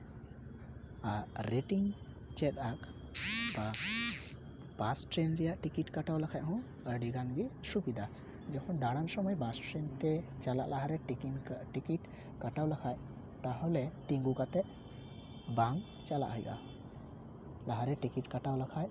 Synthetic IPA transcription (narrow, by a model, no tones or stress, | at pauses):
aɾːeʈiŋ | t͡ʃɛt̪ak | ba | pasʈɾenɾijaʔʈikiʈkaʈawlakʰajɦɔ̃ | əɖiɡanbisubid̪a | d͡ʒɔkʰɔnd̪aɽansɔməjbasʈɾent̪ɛt͡ʃala̰ʔlaɦaɾɛinʈikiʈ | kaʈawlakʰaj | t̪aɦɔlɛʈiŋɡukat̪ɛ | bãŋɡ | t͡ʃala̰ʔɦɔjɡa̰ | laɦaɾɛʈikiʈkəʈawlakʰaj